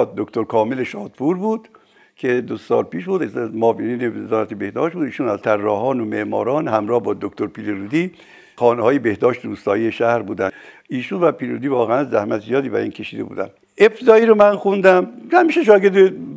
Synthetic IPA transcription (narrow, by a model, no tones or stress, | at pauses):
d̪okt̪oɾkʰɒːmeleʃɒːd̪puɾbuːd̪̥ | kʰed̪osɒ̰ːlpiːʃbuːd̪mɒːveniːnevezɒːɾæ̰t̪ʰebe̞hd̪ɒ̰ːʃt̪̚buːd̪iːʃuːnæzt̪ʰærːɒːɦɒːnome̞ʔmɒ̰ːɾɒːnhæmɾɒːhbɒːd̪okt̪oɾpʰiːleɾuːd̪i | xɒːnɒːjebehd̪ɒːʃt̪eɾuːst̪ɒːjiːjeʃæhɾbuːd̪æniːʃuːnvæpiːleɾuːd̪iːvɒːɣeænzæhmæt̪ʰzijɒːd̪iːbæ̰ɾiːnkʰe̞ʃiːd̪e̞bṵːd̪æ̰n | ʔeb̥t̪ʰed̪ɒːiːɾomænxund̪æmhæmiːʃeʃɒːɡeɾd̪e